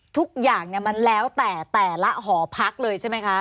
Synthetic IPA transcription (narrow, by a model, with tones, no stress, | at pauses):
t̪ʰu˦˥k̚jaː˨˩ŋni˧˩ɐma˧nlɛː˦˥wt̪ɛː˨˩t̪ɛː˨˩la˦˥ɦɔː˩˦pʰa˦˥k̚lɤː˧jt͡ɕʰa˥˩ma˦˥jkʰa˦˥ʔ